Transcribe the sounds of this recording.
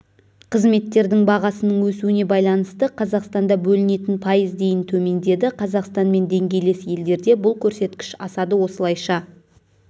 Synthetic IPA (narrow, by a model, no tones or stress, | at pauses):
qʰəzme̞t̪ːe̞ɾd̪ɪŋbɑʁɑsənəɴwɵsuɪne̞bɑjlˠɑnəst̪əqʰɑzɑqst̪ɑnd̪ɑbɵlɪne̞t̪ɪnpʰɑjəzd̪e̞jɪnt̪ʰɵme̞nd̪e̞d̪ɪqʰɑzɑqst̪ɑnme̞nd̪e̞ŋɡʲe̞jlesje̞ld̪e̞ɾd̪e̞bʊlˠkʲʰɵɾse̞t̪kʲɪ̥ʃɑsɑd̪əwo̞səlˠɑjʃɑ